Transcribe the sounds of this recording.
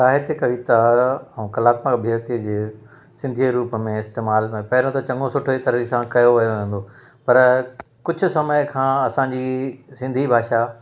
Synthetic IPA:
saːɦet̪ekɐʋit̪aɐũkɐlaːt̪makbʱiət̪id͡ʑeː | sɪ̃nd̪ʱiɾuːpəmẽɪst̪eːmaːlẽpɐɦɪɾə̃t̪ʰot͡ɕɐ̃ŋɡosʊʈʰoit̪ɐɾisãkɐjoʋɐjoʋẽːn̆d̪o | pɐɾ | kʊd͡ʑʱʊ̆sɐməkʰãːɐsãɲd͡ʑisɪ̃nd̪ʱibʱaːʃa

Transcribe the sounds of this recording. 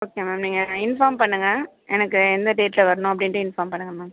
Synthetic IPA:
oːkeːmaːmniːŋɡɐɪnfaːɾmpɐɳːɯŋɡɐ | ʔɛnɐkːɯɛnd̪ɐɖeːʈlɐʋɐɾɐnʊ̃ɐp̬ːɐɽɪnʈːɯ̃ɪnfaːɾmpɐɳːɯŋɡɐmaːm

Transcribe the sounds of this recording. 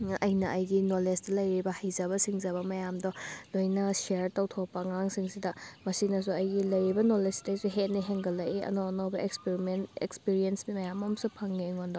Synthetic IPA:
ʔɐjnɐʔɐjɡinolestɐlɐjɾibɐhɐjzɐβɐsiŋzɐbɐmɐjamdɔlojnɐseɾtɐwtʰɔpːɐŋaŋsiŋsidɐmɐsinɐs̬uɐjɡilɐjɾibɐnolestɐjsuɦetniɦeŋɡɐlɐjiɐ̰noɐnobɐekspiɾimenḛkspiɾiensbimɐjamɐmsupʰɐŋːeŋondɔ

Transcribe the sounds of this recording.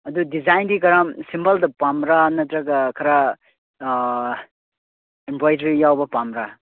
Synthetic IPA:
ɐdudizajndikɐɾamsimbɐldɐpamɾanɐtɾɐɡɐkʰɐɾa | empojdɐɾijawbɐpamɾa

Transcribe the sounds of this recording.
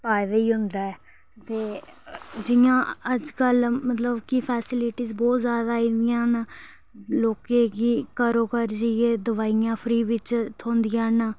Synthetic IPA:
paːjd̪eiːɦʊ̃nd̪aːɛː | t̪eː | d͡ʒɪjãːəd͡ʒkəlmət̪ləbkɪpʰɛːsɪlɪʈiːzbɔːt̪zjaːd̪aːiːnd̪ɪjãːnː | loːkeːɡiːkəɾoːkəɾd͡ʒijeːd̪əʋaːijãːpʰɾiːʋɪt͡ʃt̪ʰõːnd̪ɪjãːnaː

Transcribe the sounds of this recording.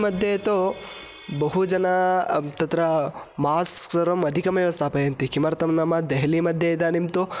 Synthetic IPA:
mɐd̪ʱjet̪o | bɐɦud͡ʒɐnat̪ɐt̪ɾɐmaːsksɐɾɐmɐd̪ʱikɐmjɐʋɐst̪ʰapɐjɐnt̪ikimɐɾt̪ɐmnamɐd̪ɐɦlimɐd̪ʱjɐd̪animt̪o

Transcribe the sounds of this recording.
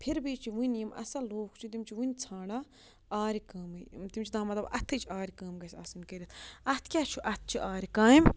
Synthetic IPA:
pʰiɾbit͡ʃʰiʋinjimɐ̰sɐloːkʰt͡ʃʰit̪̬imt͡ʃʰiʋinʲt͡sʰaːɽa | aːɾikɐːmɨt̪imt͡ʃʰid̪aːmɐt̪lɐbɐt̪ʰɨt͡ʃʰiaːɾikɐːmɡɐsʲɐ̰sɨnkɐɾʲit̪ɐt̪ʰkʲat͡ʃʰuʔɐt̪̚ʰt͡ʃʰiʔaːɾikaːim

